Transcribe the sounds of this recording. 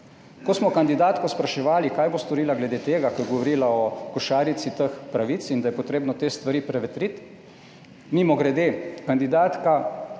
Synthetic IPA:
kɔsmɔkand̪id̪aːt̪kɔspɾaʃɛʋaːlikaːjbost̪ɔɾiːlaɡlɛd̪eːt̪eːɡakɔjɡɔʋɔɾiːlaɔkɔʃaːɾit̪sit̪əxpɾaʋit̪sind̪ajɛpɔt̪ɾeːbnɔt̪eːst̪ʋaɾiːpɾɛʋɛt̪ɾit̪ | mimɔɡɾɛd̪eːkand̪id̪aːt̪ka

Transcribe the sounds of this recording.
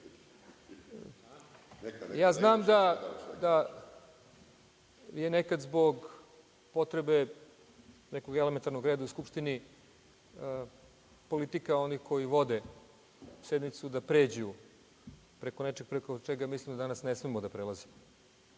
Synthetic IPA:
jaːznaːmd̪ad̪a | jenekad̪zbo̞ɡ | po̞t̪ɾebe | nekoɡelement̪aɾnoɡɾeːd̪auskupʃt̪ini | po̞lit̪ikao̞nixkʰo̞jiʋo̞d̪e | sed̪mit̪sud̪apɾe̞ːd͡ʑuju | pɾeko̞net͡ʃeɡ̚pɾekot͡ʃeɡamislimd̪ad̪anasnesmemod̪apɾelˠaze

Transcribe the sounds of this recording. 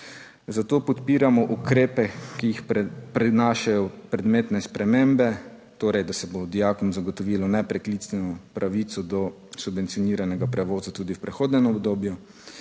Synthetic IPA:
zat̪oːpɔt̪piːɾamɔʔukɾeːpɛkijixpɾinaːʃajɔpɾɛd̪meːt̪nɛspɾɛmeːmbɛ | t̪oːɾɛjd̪asɛbod̪ijakɔmzaɡɔt̪ɔʋiːlɔnɛpɾɛkliːt̪sʋɛnɔpɾʔaʋiːt̪sɔd̪ɔ | subʋɛnt̪sijɔniːɾanɛɡapɾɛʋoːzat̪uːd̪iwpɾɛxoːd̪nɛmɔbd̪oːbju

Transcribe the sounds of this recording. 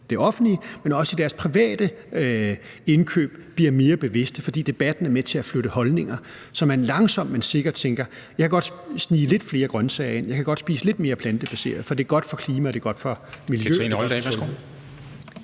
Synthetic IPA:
d̥e̝ɒ̽fn̩dlimenɒ̽səid̥æɐspʰʁiʋɛ̰ːd̥ə | e̝nkʰø̰ːb̥b̥liɐ̰me̝ːɐb̥e̝ʋe̝sd̥əfɒ̽d̥ḭːd̥e̝b̥æd̥n̩æɐmet͡sʰe̝æfløɾəhɒ̽lne̝ŋɐ | sɒ̽mænlɑ̈ŋsɒ̽m̰mense̝ɡ̥ɐd̥t͡sʰeŋɡ̥ɐ | jɑ̈ɪkʰæɡ̥ɒ̽d̥sniːle̝d̥fle̝ːɐɡ̥ʁɶnsɛ̰ɪe̝n̰jɑ̈kʰæɡ̥ɒ̽d̥sb̥ḭːsəle̝d̥me̝ːɐpʰlænd̥əb̥æse̝̰ːɐð̞̩ˠfɒ̽d̥e̝ɐɡ̥ɒ̽d̥fɒ̽kʰliːmæɒd̥e̝ɡ̥ɒ̽d̥fɒ̽miljøɛ̰nɒld̥ɛ̰æsɡ̥o̰

